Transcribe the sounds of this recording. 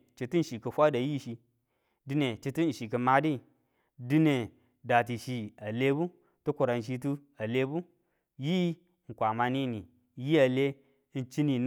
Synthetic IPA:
t͡ʃi˧tu˦n̩˨ʃi˨ki˧fʷa˦da˨ji˦˨ʃi˧ | di˧ne˨t͡ʃi˧tu˦n̩˨ʃi˨ki˧ma˦di˦˨ | di˦ne˨ | da˨ti˨ʃi˧a˨le˦bu˦ | tu˦kʷu˨ɾa˨n˨ʃ̬i˧t̬u˦ | a˨le˦bu˦ | ji˦ | ŋ̩˨kʷa˨ma˧ni˦ni˨ | ji˦a˨le˦ | n̩˦t͡ʃi˦ni˨n

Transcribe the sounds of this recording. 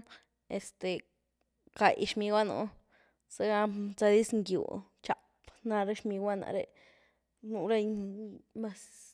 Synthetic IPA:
e˨st̪e˨ | ka˨jʃmi˧ɡʷwa˦nṵ˧ | se˦ɡa˧t͡sa˧d̪i˦sŋɡjṵ˨ | t͡ʃa˨ | pna˧ɾe˦ʃmi˧ɡʷwa˦na̰˧ɾḛ˧ | nu˧ɾe˦ɲma˦s

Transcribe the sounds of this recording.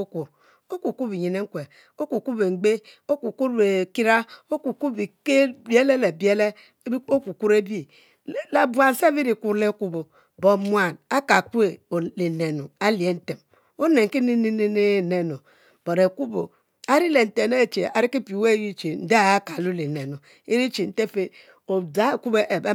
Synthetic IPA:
u˦ku˨ | o˦ku˨ku˦bi˨ɲi˨ne˦ŋ̩˦kʷe˨ | o˦ku˨ku˦be˨ŋ͡m̩˨ɡ͡be˦o˦ku˨ku˦ɾbe˨ki˦ɾa˦o˦ku˨ku˦bi˨ke˦bje˦le˦le˨be˦le˦ | o˦ku˨ku˦ɾe˦bi˦˨ | la˨ba˨n̩˦sa˦bi˦ɾi˨ku˦ɾle˦ku˦bo˨ | bo˨mʷ˦a˦˨na˦ka˨ku˦e˨o˨le˨ne˨no˨a˦li˨e˦n̩˦te˨m | o˦ne˨ŋ˨ki˦ni˦ni˦ni˦ne˦˨ne˨no˨ | b̥o˨ɾe˨ku˦bo̰˨ | a˦ɾi˦le˨n̩˨te˨ne˦˨t͡ʃe˨a˨ɾi˦ki˦pi˨we˦ji˦t͡ʃe˨n̩˦de˦a˨a˦ka˨lu˦li˨ne˨no˨ | e˦ɾi˦t͡ʃi˨n̩˨te˦fe˦ | o˨da˦˨ku˦be˦ʔe˨ba˦

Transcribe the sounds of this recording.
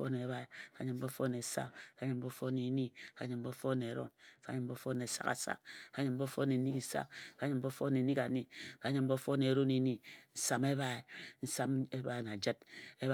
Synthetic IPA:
o̰˦ne˨˦βa˦e˨ka˦ɲɨ˨m̩˦bo˦fo˦ne˨sa̰˦ka˨˦ɲɨ˨m̩˦bo˦fo˦ne˨˦ni˦ka˦ɲɨ˨m̩˦bo˦fo˦ne˨ɾo̰˦nka˦ɲɨ˨m̩˦bo˦fo˦n˨e˨sa̰˦ka̰˨sa̰˦k̚ka˦ɲɨ˨m̩˦bo˦fo˦ne˨ni˦ki˨sa̰˦kka˦ɲɨ˨m̩˦bo˦fo˦ne˨ni˦ka˨ni˦ka˦ɲɨ˨m̩˦bo˦fo˦ne˨ɾo˦ne˨ni˦n̩˦sa˦me˦βa˦e˨n̩˦sa˦me˦ba˦e˨na˨d͡ʒə˦t̚e˦

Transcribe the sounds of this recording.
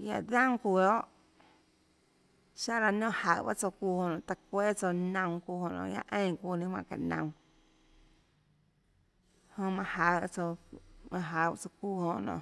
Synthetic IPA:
ja̰˧˨ðã˦ŋkʷu˧˨o˦ʔ | ʃa˦ɾa˧nõ˦˨ha˨ba̰˦ʔt͡so˧ku˦˧˨hõ˧˨nõ˨t̪a˧kʷe˦t͡so˧nə̃˧ŋ̃kʷu˧˨hõ˧˨nõ̰˧˨ja̰˧ʔẽ˦˧j̃kuː˧˨nĩ˧mwã˧˨ka̰˨ʔnə̰̃˧˨w̃ | hõ˧mã˧ha˧˨a˦t͡so˧mã˧ɦa˧˨a˦t͡so˧ku˧˨hõ˧˨nõ̰ː˧˨ʔ

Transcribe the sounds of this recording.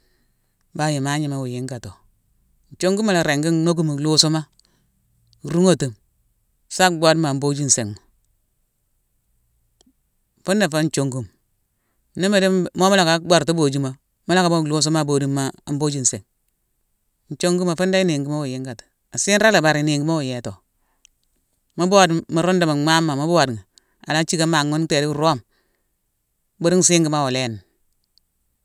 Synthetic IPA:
ba˨ji˨ma˦ɲi˨ma˨wu˨ji˦ŋɡa˨to˨ | n̩˨t͡ʃo˦ŋɡu˦ma˨lɾe˨ŋɡi˦no˦ɡu˦mu˨lu˦so˦ma˦˨ | ɾu˦ŋo˦tu˨m | sa˦kɡ͡bʷa˦dma˨m˦bo˦d͡ʒi˦n̩˨se˨ŋma˨ | fu˦nda˨fa˦n˦t͡ʃo˨ŋɡu˦m | ni˦me˦di˦˨mo˦ma˦la˨ka˨˦bʷa˨ɾtu˦bo˨d͡ʒi˦ma˨ | mo˦la˦ka˨bo˦˨lo˦s̬o˦ma˦˨bo˨di˦mːa˦˨˦bo˦d͡ʒi˦˨n˨se˨ŋ˨ | n̩˨t͡ʃo˦ŋɡu˦ma˨fu˦nda˦i˦ni˨ŋɡi˦ma˦wu˨ji˦ŋɡa˨tḁ˨ | a˨si˦n˦ɾa˦la˨ba˨ɾi˨ni˨ŋɡi˦ma˦wu˨je˨to˨ | ma˦bo˦a˨dma˨ɾo˦nda˨ma˨ma˦mːa˨ma˦bo˦wa˨dŋi˨ | a˨la˦t͡ʃi˦ka˦ma˨ŋːo˦n˦te˨di˦˨ɾo˦˨m˦ | bo˦ɾi˦ŋ˦si˦ŋɡi˨˦ma˦wo˨le˦n˨

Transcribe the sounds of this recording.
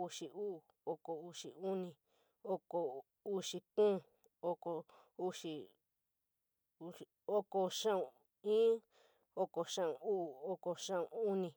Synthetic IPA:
u˧ʂi˨ʔu˦˨ | o˧ko˨u˧ʂḭ˨u˦nĩ˨ | o˦ko˧˨ | u˦ʂi˧kũː˦˨ | o˧ko˧ | u˦ʂi˧˨ | o˦ko˧ʂã˦ũ˧˨ | ĩː˦ | o˧ko˨ʂã˦ũ˨uː˦˨o˦ko˧ʂã˦ũ˧u˦nĩ˧

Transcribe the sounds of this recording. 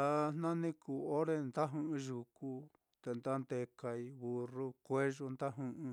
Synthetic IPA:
a˧n̥nã˦nĩ˦ku˨o˦ɾe˦nd̪a˦ɦũ˧˦ʔũ˧ʒu˧˨ku˧ | t̪e˧nd̪a˦nd̪e˧ka˧i˧βu˧ru˦kʷe˦ʒu˧nd̪a˦ɦũ˧ʔũ˧

